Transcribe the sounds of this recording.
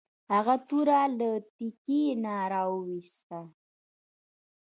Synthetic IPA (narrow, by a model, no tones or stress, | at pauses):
haɣat̪uɾalət̪ikinaɾɑwəwist̪a